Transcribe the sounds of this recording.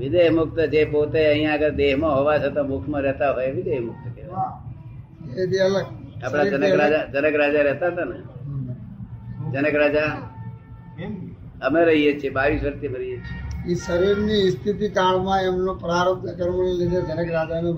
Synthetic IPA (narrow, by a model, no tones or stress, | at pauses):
ʋɪd̪eɦmʊkt̪əd͡ʒepot̪eə̃ɦĩjãəɡəɾd̪eɦmãɦoʋat͡ʃʰet̪omʊkʰmãɾɛɦt̪aɦoeʋɪd̪emʊk̚t̪əkeʋa | et̪iələɡapɽ̃ad͡ʒənəkɾad͡ʒad͡ʒənəkɾad͡ʒaɾɛɦt̪at̪anə | d͡ʒənəkɾad͡ʒa | əmeɾəɦijet͡ʃʰiebaʋisʋəɾt̪iəmeɾəɦijet͡ʃʰieisəɾiɾnist̪ʰit̪ikaɭmãemnõpɾaɾət̪nəkəɾməɳlid̪ʱed͡ʒənəkɾad͡ʒano